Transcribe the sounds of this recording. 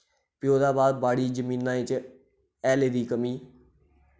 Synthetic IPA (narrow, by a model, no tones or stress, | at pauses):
pɪjoːd̪aːbaːd̪̚baːɽiːd͡ʒəmĩːnːãːɪt͡ʃ | ɛːleːd̪iːkəmiː